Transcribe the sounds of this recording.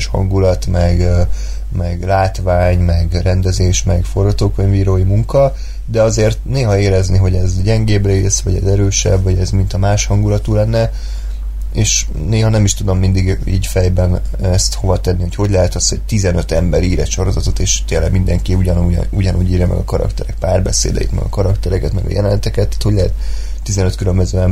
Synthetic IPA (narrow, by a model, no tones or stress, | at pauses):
ʃhɒ̰ŋɡulɒt̪mɛɡ | mɛɡlaːt̪vaːɲmɛɡrɛnd̪ɛzeːʃmɛɡfo̞rɡɒt̪oːkʋɛɲviːɾoːjimuŋkɒ | d̪ɛɒzeːrt̪neːɦɒeːɾɛzniɦo̞ɟɛzɟɛŋɡeːbreːsʋɒɟɛzɛɾøːʃɛ̰bvɒɟɛzmint̪ɒmaːʃhɒŋɡulɒt̪uːlɛnːɛ | eːʃ | neːɦɒnɛmiʃt̪ud̪o̞mːind̪iɡḭːcfɛjbɛn | ɛst̪ho̞vɒt̪ɛnːiho̞cho̞ɟʲlɛɦɛt̪ɒshoc̚t̪izɛnøt̪ɛmbɛɾiːɾɛ̰ʃo̞ɾo̞zɒt̪o̞t̪eːʃt̪eːlːɛ̰ɡmind̪ɛŋkiuɟɒnṵuɟɒnuːɟiːɾjɒmɛ̰ɡɒkɒɾɒ̰kt̪ɛɾɛk̚paːrbɛsḛːd̪ɛ̰jḭt̪mɛ̰ɡɒ̰kɒɾɒkt̪ɛɾɛkɛt̪mɛ̰ɡɒ̰jɛlɛnɛt̪ɛkɛt̪ːḁt̪hoɟlɛɦɛt̪ː | izɛnøt̪kylømbøzøːɛm